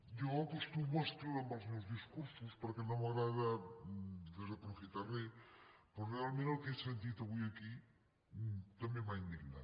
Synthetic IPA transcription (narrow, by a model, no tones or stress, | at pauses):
joakost̪umwest̪ɾeðambazmozðiskuɾsuspaɾakenomaɣɾaða | d̪ezðeapɾofit̪aɾleposrealmẽnalkeesent̪it̪eβiaki | t̪amjẽmaind̪iɣna̰